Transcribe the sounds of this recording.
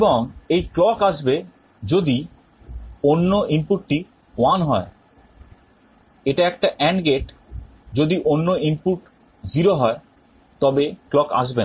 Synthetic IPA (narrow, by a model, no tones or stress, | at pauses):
eboŋejklɔkaʃbe | d͡ʑod̪i | onːoʔimpuʈːi | wanɦɔe | eʈaɛk̚ʈaʔɛnɡeʈ | d͡ʑod̪iʔonːoimpuʈ | ziɾoɦɔe | t̪ɔbeklɔka̰ʃ̬ben